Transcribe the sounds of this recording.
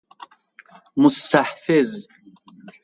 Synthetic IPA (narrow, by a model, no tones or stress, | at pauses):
mʊst̪aħfɪz